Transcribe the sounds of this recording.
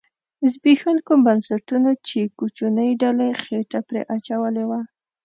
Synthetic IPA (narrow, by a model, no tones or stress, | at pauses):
ɪzbixankumbansaʈunat͡ʃekut͡ʃunəjɖalexeʈapɾḛʔat͡ʃawəlewa